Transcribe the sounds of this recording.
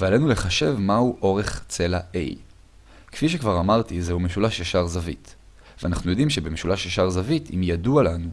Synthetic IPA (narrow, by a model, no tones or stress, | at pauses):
vealenule̞χaʃe̞vmahuʔo̞ʁeχt͡se̞laʔḛj | kfiʃ̬ekvaʁamaʁt̪izehumeʃulaʃjaʃaʁzavḭt | veanaχnujo̞dimʃebemeʃulaʃjaʃaʁzavitḭmjadualanu